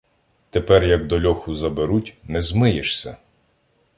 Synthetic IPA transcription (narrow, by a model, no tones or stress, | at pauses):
t̪epɛrjɐɡd̪ɔlʲɔxʊzɐbeɾutʲnɛzmɪjeʃsʲɐ̰